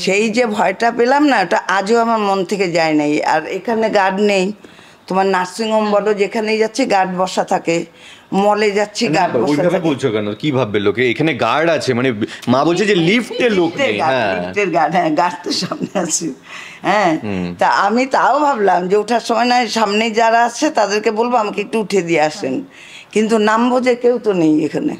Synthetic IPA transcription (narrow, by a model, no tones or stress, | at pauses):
ʃejd͡ʑebʱɔeʈapelamnaeʈaʔad͡ʑooamaɾmont̪ʰeked͡ʑaenaja̰ɾekʰaneɡaɖnej | t̪omaɾnaɾsiŋombɔlod͡ʑekʰanejd͡ʑatːɕʰiɡaɖbɔʃat̪ʰake | mɔled͡ʑatːɕʰiɡaɖbɔoabʱabebolt͡ɕʰokɛnokibʱabːelokeekʰaneɡaɽat͡ɕʰemanemãbolt͡ɕʰed͡ʑelipʰelokʈeeɡaɛ̃ipʈeɾɡaɖɦɛ̃ɡaɾt̪oʃamneat͡ɕʰi | ɦɛ̃t̪aamit̪aobʱablamd͡ʑeuʈʰaɾʃɔmɔenaʃamnejd͡ʑaɾaat͡ɕʰet̪ad̪eɾkebolboamakeek̚ʈuuʈʰed̪ieaʃen | kint̪unambod͡ʑekewt̪onejekʰanḛ